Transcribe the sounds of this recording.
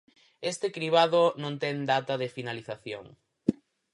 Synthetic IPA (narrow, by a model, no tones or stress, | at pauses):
est̪ɪkɾiβaðonõŋt̪ɛŋd̪at̪ɐðɪfinaliθaθjo̰ŋ